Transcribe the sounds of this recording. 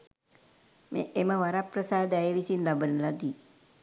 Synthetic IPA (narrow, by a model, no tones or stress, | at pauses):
mḛʔeməʋaɾaprəsaːd̪ɛjeʋisinlabənəlad̪iː